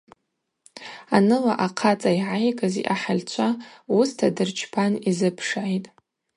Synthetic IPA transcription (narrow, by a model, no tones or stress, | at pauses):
anɨla̰ʔaqʰat͡sʼaiʕajkʼazḭʔaħalʲt͡ɕʷʰaustʰadɨrt͡ʃʰpʰanizɨpʰʂʕajtʼ